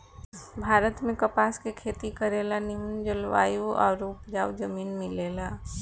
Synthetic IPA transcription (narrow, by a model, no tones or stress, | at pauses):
bʱaːɾət̪mẽkəpaːskekʰeːt̪ikəɾeːlanɪmənd͡ʒəlʋa̰ːjuɔ̰ːɾʊpd͡ʒaːwd͡ʒəmiːnmɪleːla